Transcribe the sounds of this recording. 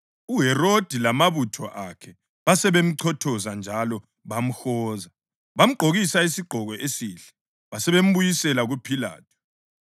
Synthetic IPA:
uɦɛrod̥ʱilamaβutʰɔʔakʰɛ | βasɛβem̩ǀʰɔtʰɔzand͡ʒʱalɔ | βam̩xɔːza | βam̩ɡ͡ǃʱoɣisaisiɡ͡ǃʱɔɣɔʔesiːɬɛ̥ | βasɛβem̩βujisɛlaɣupʰila̰ːtʰu̥

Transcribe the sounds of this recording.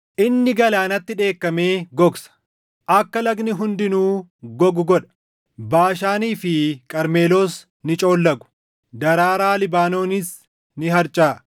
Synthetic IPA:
ʔɪnːɪɡɐlaːnɐt̪ːɪᶑe̞ːkːɐme̞ːɡɔɡsɐ̥ | ʔɐkːɐlɐɡnɪɦʊnd̪ɪnuːɡɔɡʊɡɔᶑɐ̥ | baːʃaːniːfɪkʼɐɾme̞ːlo̞ːs | nɪt͡ʃʼo̞ːlːɐɡʊ̥ | d̪ɐɾaːɾaːlɪbaːno̞ːnɪs | nɪɦɐɾt͡ʃʼaː

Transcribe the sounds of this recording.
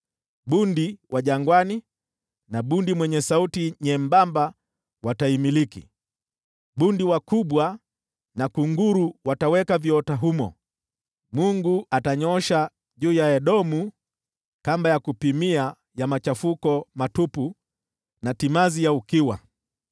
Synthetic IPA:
ɓundiwʔaʄaŋɡwani | naɓundimwɛɲɛsautiɲɛmbamba | wataimilikḭ | ɓundiwakuɓwa | nakuŋɡuɾuwatawɛkaviɔtaɦumɔ̰ | muŋɡuʔataɲɔʃa | ʄuːjaɛɗɔmu | kambajakupimia | jamat͡ʃafukɔmatupu | natimazijaukiwa̰

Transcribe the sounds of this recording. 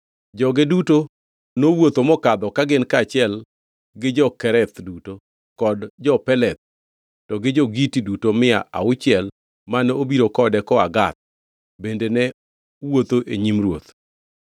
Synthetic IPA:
d͡ʒɔɡɪduto | nowot̪omɔkad̪ɔkaɡɪnkat͡ʃɪɛl | ɡɪd͡ʒɔkɛɾɛt̪duto | kɔdd͡ʒɔpɛlɛt̪̚ | tɔɡɪd͡ʒoɡitidutomɪa̰ʔa̰ʊt͡ʃɪɛl | manobiɾokɔdɛkɔaɡat̪̚ | bendenɛ | wot̪oʔeɲimrwot̪

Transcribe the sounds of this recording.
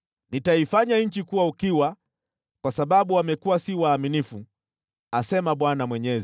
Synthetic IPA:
nitaifaɲaɲ̩t͡ʃikuwaukiwa | kwasaɓaɓuwamɛkuwasiwaːminifu | asɛmaɓwanamwɛɲɛz

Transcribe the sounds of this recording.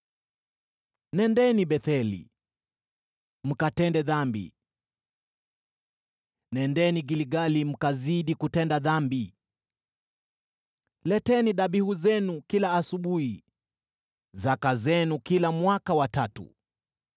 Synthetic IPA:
nɛndɛniɓɛθɛlḭ | m̩katɛndɛðambḭ | nɛndɛniɡiliɡalim̩kaziɗikutɛndaðambi | lɛtɛniɗaɓihuzɛnukilaːsuɓuhi | zakazɛnukilamwakawatatṵ

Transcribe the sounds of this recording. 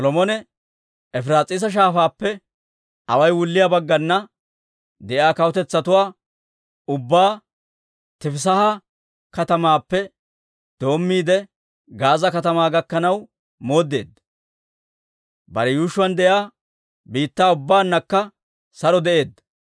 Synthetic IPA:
sɔlɔmɔnɛ | ɛfɾaːt͡sʼɪːs̬ɐʃ̬aːfaːpːɛ | ɐwɐjwʊlːɪjaːbɐɡːɐnːɐ | d̪ɛʔjaːkɐwɔt̪ɛt͡sːɐt̪ʊwaː | ʊbːaː | t̪ɪfɪs̬ɐhɐ | kɐt̪ɐmaːpːɛ | d̪̥o̞ːmːiːd̪ɛ | ɡaːzɐkɐt̪ɐmaːɡɐkːɐnɐw | mo̞ːd̪ːe̞̰ːd̪ɐ | bɐɾɛjuːʃʊwɐnd̪ɛʔjaː | biːt̪ːaːʊbːaːnːɐkːɐ | sɐɾɔd̪ɛʔe̞ːd̪ːɐ̥

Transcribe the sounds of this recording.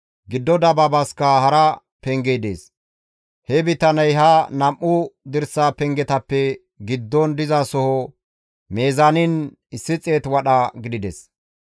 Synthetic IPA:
ɡɪd̪ːɔd̪ɐbɐbɐskɐhɐɾɐ | pɛŋɡejd̪ḛːs | hɛbɪt̪ɐnɐjɦɐnɐmʔːʊd̪ɪɾsaːpɛŋɡɛt̪ɐpːɛ | ɡɪd̪ːɔnd̪ɪzɐsɔhɔ | meːzanɪn | ɪsːɪt͡sʼe̞ːt̪wɐɗɐɡɪd̪ɪd̪ɛs

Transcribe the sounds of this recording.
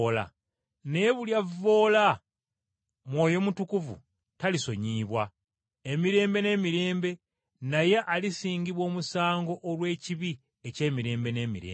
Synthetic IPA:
la̰ | neβuljavːo̞ːla | mwo̞ːjo̞mutukuvṵ | taliso̞ɲiːβwa | emiɾe̞ːmbe̞ne̞ːmiɾe̞ːmbe̞ | naje̞ʔalisiːɲɟiβwo̞ːmusaːŋɡo̞ʔːɾwe̞ːciβi | ece̞ːmiɾe̞ːmbe̞ne̞ːmḭɾḛː

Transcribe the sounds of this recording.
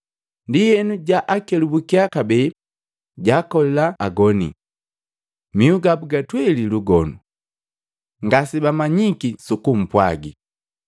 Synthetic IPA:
ndihɛnuɟaʔakɛlubukiakabɛ | ɟakɔlɛlaːɡɔnḭ | miuɡabuɡatwɛliluɡɔnu | ŋɡasibamaɲikisukum̩pwa̰ɡi

